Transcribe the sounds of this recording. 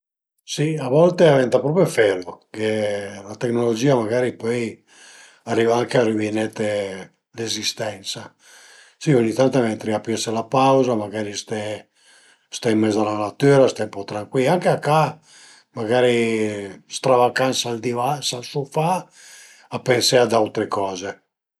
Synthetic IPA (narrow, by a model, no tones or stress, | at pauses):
siavɔlt̪eavɛnt̪apɾɔpɾjofɛlokelat̪eknolod͡ʒiːamaɡaːɾipɔj | arːivaaŋkearivinɛt̪ːe | lezist̪ɛnt̪sa | sioɲːit̪ant̪amɛnt̪ɾiapɛselapawzamaɡaːɾist̪ɛ | st̪aimːɛzalanat̪ːyːɾast̪ɛmpɔt̪ɾaŋkwilaŋkeakːa | maɡaːɾi | st̪ɾavakansald̪ivasalsufaː | pːensɛad̪awt̪ɾekɔːze